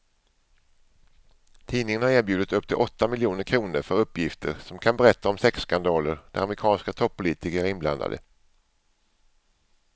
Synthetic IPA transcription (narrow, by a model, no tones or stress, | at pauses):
t̪ʰiːnɪŋənhaɾeːɾbjʉ̟ːd̪ət̪ɵpːt̪ʰɪlʔɔt̪ːamɪljuːnəɾkʰɾuːnəɾfœɾɵpːjɪft̪ʰə̰ɾsɔmkʰanbɛɾɛt̪ːaɔmsɛkskand̪ɑːləɾd̪ɛɾa̰mɾɪkʰɑːnskat̪ʰɔpʰːʊliːt̪ɪkəɾɪnbla̰nd̪a̰d̪ə̰